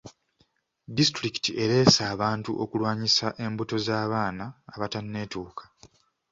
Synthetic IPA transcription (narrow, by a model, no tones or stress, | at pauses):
distɾiki̥tiʔe̞ɾe̞ːsaːβaːntuʔo̞kulwaːɲisaʔe̞mbuto̞zaːβaːnaːβatanːe̞tuːkʰḁ